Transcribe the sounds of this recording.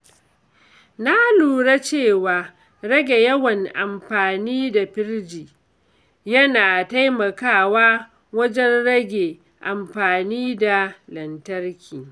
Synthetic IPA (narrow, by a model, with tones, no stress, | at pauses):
na˦luː˨ɽa˦t͡ʃeː˦˨waː˨ | ɾɐ˦ɡʲe˨jɐ˦wɐ˨ŋʔa˨mɸaː˨niː˦da˨ɸɪ˦ɽd͡ʒiː˨ | jɐ˦naː˨ta˦jmɐ˨kaː˦˨waː˦ | wɐ˦d͡ʒɛ˦nɽɐ˦ɡʲe˨ | ʔa˨mɸaː˨niː˦da˨lɐ˨ntɐ˦rkʲiː˨